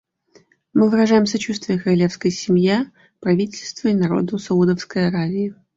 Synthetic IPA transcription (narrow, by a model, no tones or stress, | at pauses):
mɨvɨɾɐʐajɪmsɐt͡ɕust̪vʲɪjəkɾɐlʲe̞fskəjsʲɪmja | pɾɐvʲitʲɪlʲst̪vəinɐɾo̞̰d̪ʊsɐud̪əfskəjɐɾavʲɪɪ